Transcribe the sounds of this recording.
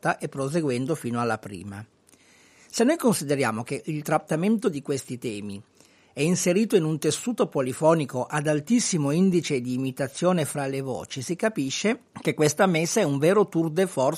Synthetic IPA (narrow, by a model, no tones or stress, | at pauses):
t̪aʔepːɾos̬eɡwɛnd̪ofiːnoalːapɾḭːma̰ | senːojkonsid̪eɾja̰ːmok̟eʔilt̪ɾat̪ːament̪od̪ikwest̪it̪ɛːmi | ɛinseɾiːt̪oinunt̪esːuːt̪opolifɔːnikoʔad̪alt̪isːimoind̪it͡ʃed̪iːmit̪at̪sːjoːnefɾalevɔ̰ːt͡ʃisikapiʃːe | kekːwest̪amesːaɛuɱveːɾot̪urd̪efɔr